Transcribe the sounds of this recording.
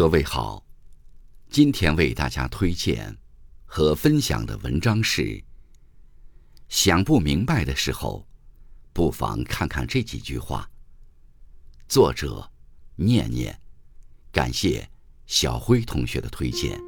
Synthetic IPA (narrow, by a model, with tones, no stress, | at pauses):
ɤ˧we˥˩ɪxɑ˨˩˦ʊ | t͡ɕi˥nt̪ʰjɛ˥nwe˥˧ɪt̪a̰˥˩t͡ɕja̰˥t̪ʰwe˥ɪt͡ɕjɛ̰˥˩n | xɤ˧˥fə˥nɕjɑ̰˨˩ŋd̪ə̰˦wə̰˧˥nʈ͡ʂɑ˥ŋʂɻ̩˥˩ | ɕjɑ˨˩ŋpu˥˩mi˧˥ŋpa˥˧ɪd̪ə˩ʂɻ̩˧˥xo̰˧ʊpu˥˩fɑ̰˧˥ŋkʰa˥˧nkʰa̰˥˧nʈ͡ʂɤ˥˩t͡ɕḭ˨˩t͡ɕy̰˥˧xwa̰˥˩ | t͡swɔ˥˩ʈ͡ʂɤ̰˨˩˦njɛ̰˥˧nnjɛ̰˥˩nka̰˨˩nɕjɛ̰˥˩ɕjɑ˨˩ʊxwe˥ɪt̪ʰʊ˧˥ŋɕɥɛ̰˧˥d̪ə˧t̪ʰwe˥ɪt͡ɕjɛ̰˥˩n